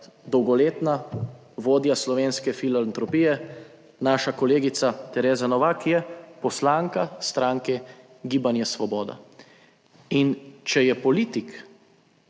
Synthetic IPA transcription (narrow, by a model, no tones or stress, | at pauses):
d̪ɔwɡɔleːt̪na | ʋoːd̪jaslɔʋeːnskɛfilalant̪ɾɔpiːjɛ | naːʃakɔleːɡit̪sat̪ɛɾeːzanɔʋakjɛpɔslaːŋkast̪ɾaːŋkɛ | ɡiːbanjɛsʋɔbɔːd̪a̰ | int͡ʃɛjɛpɔliːt̪ik